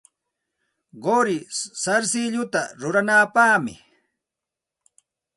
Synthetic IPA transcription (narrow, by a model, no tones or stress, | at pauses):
ɢoɾɪsaɾsɪʎʊt̪aɾʊɾanapaːmɪ̰